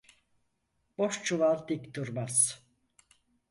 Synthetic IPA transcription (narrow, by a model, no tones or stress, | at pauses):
b̥oʃt͡ʃʰuvalˠd̪ikt̪uɾmaz̥